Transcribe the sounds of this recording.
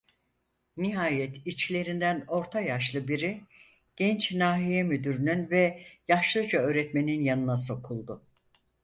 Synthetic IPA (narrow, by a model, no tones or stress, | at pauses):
niɦaːjɛt̪ʰit͡ʃlʲe̞ɾind̪æno̞ɾt̪ʰajaʃlˠɯbiɾi | ɟ̥ɛnt͡ʃnaːɦijɛmyd̪yɾynynvɛjaʃlˠɯd͡ʒaø̞ːɾɛt̪me̞ninjanɯnas̬o̞kʰulˠd̪ʊ